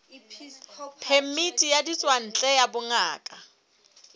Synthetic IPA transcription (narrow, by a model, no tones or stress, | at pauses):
pʰɛmitʼijadit͡sʼwan̩t͡ɬʼɛjabʊŋaːkʼa